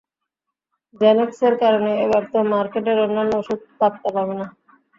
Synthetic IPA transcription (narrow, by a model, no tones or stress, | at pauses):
d͡ʑɛnekseɾkaɾoneebaɾt̪omaɾkeʈeɾonːanːooʃud̪̚pɾap̚t̪apabena